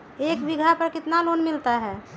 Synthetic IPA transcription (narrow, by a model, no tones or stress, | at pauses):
ekbiɡʱapəɾkɪt̪nalonmilt̪aɦɛ